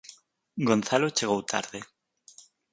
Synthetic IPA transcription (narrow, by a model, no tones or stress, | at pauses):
ɡonθalot͡ʃeɣ̞owt̪ʰa̰ɾðe